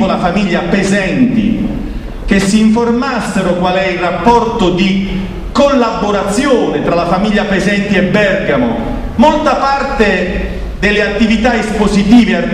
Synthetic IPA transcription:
olafamiʎːapezɛnt̪ḭ | k̟esːiːɱformasːeɾʊkwalɛilrapːɔrt̪ʊd̪i | kolːabːoɾat̪sːjoːnɪt̪ɾalafamiʎːapezɛnt̪iɛbːɛrɡamʊ̰ | molt̪apart̪e | d̪elɪat̪ːivit̪aespozit̪iːvea

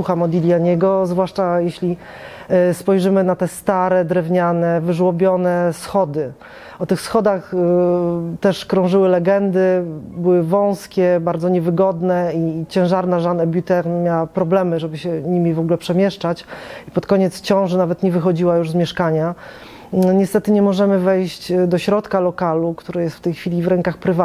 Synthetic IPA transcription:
uxamɔd̪ʲilʲjaɲɛɡɔzvwaʂt͡ʂajeɕlʲi | spɔjʐɘmɘnat̪ɛst̪aɾɛd̪ɾɛvɲanɛvɘʐwɔbʲjɔnɛsxɔd̪ɘ | ɔt̪ɘxsxɔd̪ax | t̪ɛʂkɾɔ̃w̃ʐɘwɘlɛɡɛnd̪ɘbɘwɘvɔ̃w̃skʲɛbaɾd̪zɔɲɛvɘɡɔd̪nɛit͡ɕɛ̃w̃ʐaɾnaʐanɛbʲjut̪ɛɾnmʲjawapɾɔblɛmɘʐɛbɘɕɛɲimʲivɔɡlɛpʂɛmʲjɛʂt͡ʂat͡ɕipɔt̪kɔɲɛt̪st͡ɕɔ̃w̃ʐɛnavɛt̪ɲɛvɘxɔd͡ʑiwajuʐzmʲjɛʂkaɲa | ɲɛst̪ɛt̪ɘɲɛmɔʐɛmɘvɛjɕt͡ɕd̪ɔɕɾɔt̪kalɔkalukt̪uɾajɛst̪ft̪ɛjxfʲilʲivɾɛŋkaxpɾɘva

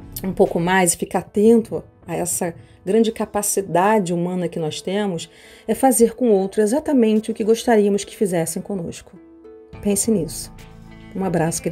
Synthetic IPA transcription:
ũpowkʊmajzɪfikat̪ẽnt̪ʊ | aɛsɐ | ɡɾɐ̃d͡ʒɪkapasid̪ad͡ʒɪumɐ̃nɐkɪnɔst̪ẽmʊs | ɛfazeɾkõowt̪ɾʊezat̪ɐmẽnt͡ʃɪʊkɪɡoʃt̪aɾiɐmʊskɪ̥fizɛsẽj̃kõno̰ʃkʊ̥ | pẽsẽnisʊ̥ũabɾasʊ̥ɡɾ

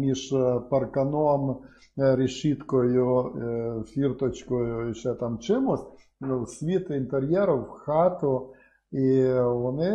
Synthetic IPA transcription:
mʲiʃpɐrkɐnom | ɾʲɪʃit̪kɔjʊ | fʲirt̪ɔt͡ʃkɔjʊɪʃɛt̪amt͡ʃɪmʊsʲ | wsʲʋʲit̪ɪnt̪eɾʲjɛɾʊwxat̪ʊ | iʋɔnɪ

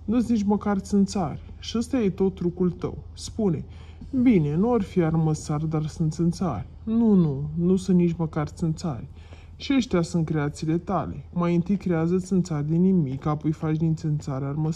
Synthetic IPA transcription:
nuesnit͡ʃʲməkart̪sɨnt̪sarʲ | ʃiəst̪ajet̪o̞t̪ːɾukult̪ə̰w | spune̞ | bine̞nuarfiarməsard̪arsɨnt̪sɨnt̪sa̰rʲ | nununusuɨnt̪nit͡ʃʲməkart̪sɨnt̪sa̰rʲ | ʃiəʃt̪ʲasunt̪̚kɾe̞at̪siːle̞t̪a̰le̞̰majɨnt̪ɨjkɾe̞azət̪sʲɨnt̪sarʲd̪enimikapojfat͡ʃʲnint̪sɨnt̪saɾarməs

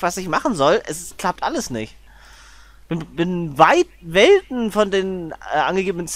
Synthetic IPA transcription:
v̥asɪçmaχn̩zɔlʔɛskl̥ap̚tʔaləsnɪçt | b̥ɪnbɪnvaɪt̚vɛltn̩fɔndeːnɛ̰ːʔa̰nɡəɡeːbənənt͡s

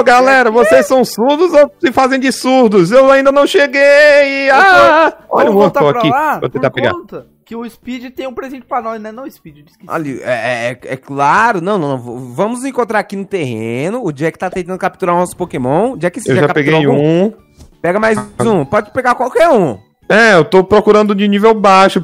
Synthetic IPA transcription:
oɡalɛɾɐvosessɐ̃w̃suɾd̪ʊzosɪfazẽj̃d͡ʒɪsuɾd̪ʊzewaĩnd̪ɐnɐ̃w̃ʃeɡejɪa | ɔ̰ʎɐ̃õt̪aaapɾakilavo̰sẽt̪appeɡã̰t̪ɐ | kɪʊispid͡ʒɪt̪ẽj̃ũpɾezẽnt͡ʃɪ̥pɾanɔnɛnɐ̃w̃ɪspid͡ʒɪd͡ʒɪskiɔ̰ʎɐɛɛɛɛklaɾʊnɐ̃w̃nɐ̃nɐ̃w̃vovɐ̃mʊzẽkõt̪ɾaɾakinʊt̪ehẽnʊːd͡ʒiɐɛkɪt̪at̪ẽt̪ɐ̃nd̪ʊkap̚t̪uɾãnɔsʊ̥pokemõʊd͡ʒiɐɛkɪsewʒaʒakapeɡ̪eajũ | pɛɡɐmajzũpɔd͡ʒɪt͡ʃɪ̥peɡakwawkɛɾũ | ɛewt̪opɾokuɾɐ̃nd̪ʊd͡ʒɪnivewbaʃʊ

